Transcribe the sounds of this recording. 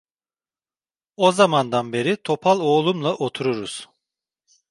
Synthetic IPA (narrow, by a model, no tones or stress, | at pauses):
ozamand̪anbe̞ɾit̪ʰo̞pʰalˠo̞ːlˠumlˠaʔot̪ʰuɾuɾuz̥